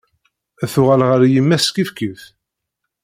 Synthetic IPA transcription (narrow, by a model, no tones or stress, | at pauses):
æθʊʁælʁəɾjimːæskifkiθ